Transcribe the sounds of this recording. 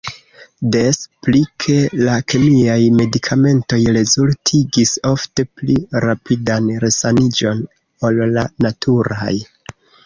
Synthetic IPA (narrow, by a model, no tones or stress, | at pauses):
de̞splikʰe̞lakʰemiajme̞dikʰame̞nto̞jɾe̞zultʰiɡiso̞fte̞pliɾapidanɾe̞sanid͡ʒo̞n | o̞lːanatʰuɾaj